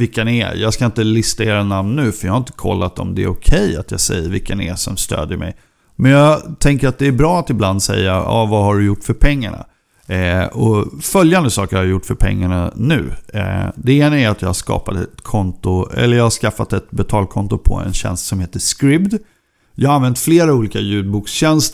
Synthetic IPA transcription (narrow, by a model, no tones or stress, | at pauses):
vɪkːənɛjʔɑːɡskaɪnt̪əlɪst̪aeːɾanamnːʉ̟ːfœɾjɑhaɾɪnt̪ə̥kʰɔ̰lːat̪ɔ̰md̪ɛæɾʊkʰɛjat̪ʰjɑ̰ːsɛ̰jːəɾvɪkːənɛsɔmst̪ø̰ːd̪jəmɛ̰j | mɛnjɑːt̪ʰɛŋkəɾat̪̚d̪ɛːɾbɾɑːat̪ɪbland̪sɛ̰jːaɑːvahaɖɵjʊʈːfœɾpʰɛŋːa̰ɳa̰ | ɔfœljand̪əsɑːkəɾhaɾjajʊʈːfœɾpʰɛ̰ŋːaɳanʉ̟ː | d̪ɛeːnaæɾat̪jɑːhaʂkɑ̰ːpat̪ɛt̪kʰɔnt̪ʊɛ̰lːəɾjɑːɡhaʂkafːat̪ɛt̪bɛt̪ʰɑːlkʰɔnt̪ʊpʰɔ̰ɛ̰nɕɛ̰nst̪sɔmheːt̪əskɾɪbd̪ | jɑːhaanvɛnt̪fleːɾauːliːkajʉ̟ːd̪̚buːksɕɛnst̪